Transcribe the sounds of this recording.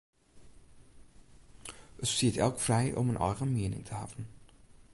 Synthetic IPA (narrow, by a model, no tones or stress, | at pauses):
ətstiːtɛlˠkfrɛjʔɔ̰mənʔɑ̰ːʁənmeːnɪ̰ŋtʰəɦɑːbən